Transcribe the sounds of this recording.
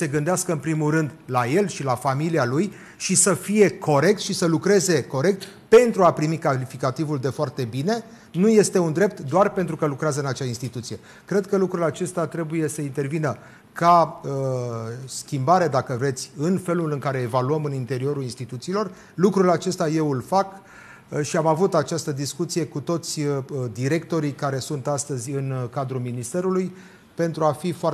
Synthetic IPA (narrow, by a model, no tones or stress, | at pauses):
se̞ɡɨnd̪easkəɨnpɾimulɾɨnd̪laje̞lʃilafamilialuj | ʃisəfije̞kʰo̞ɾe̞k̚t̪ʃisəlukɾe̞ze̞ko̞ɾe̞k̚t̪pe̞nt̪ɾuapɾimikalifikat̪ivuld̪e̞foart̪e̞bine̞ | nuje̞st̪e̞und̪ɾe̞p̚t̪d̪oarpent̪ɾukəlukɾeazəɨnat͡ʃainst̪it̪ut̪sije̞ | kɾe̞d̪kəlukɾulat͡ʃe̞st̪at̪ɾe̞buje̞səint̪e̞rvinə | kaə | skʲimbaɾe̞d̪akəvɾe̞t̪sʲɨnfe̞lulɨŋkaɾe̞ːvaluəmɨnint̪e̞ɾio̞ɾulinst̪it̪ut̪siːlo̞r | lukɾulat͡ʃe̞st̪aje̞wɨlfak | ʃiamavut̪at͡ʃast̪əd̪iskut̪sije̞kut̪o̞t̪sʲd̪iɾe̞k̚t̪o̞ɾikaɾe̞sunt̪ast̪əzʲɨnkad̪ɾulminist̪e̞ɾuluj | pe̞n̪t̪ɾuafifoar